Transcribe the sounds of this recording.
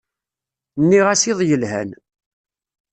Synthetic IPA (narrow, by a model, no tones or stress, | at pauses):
nːiʁæsiðˤjəlhæ̰n